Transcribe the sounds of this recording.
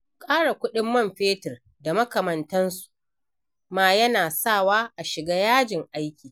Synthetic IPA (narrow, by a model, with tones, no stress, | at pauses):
kʼaː˦ɽa˨kʷʊ˦ɗɪ˦mːɐ˦˨mɸeː˦tɪ˨r | da˨mɐ˦kɐ˨mɐ˨ntɐ˦nsu̥˨ʔ | maː˦jɐ˦naː˨saː˦˨waː˦ʔa˨ʃɪ˨ɡaː˦jaː˦d͡ʒɪ˨ŋʔa˦jkʲiː˨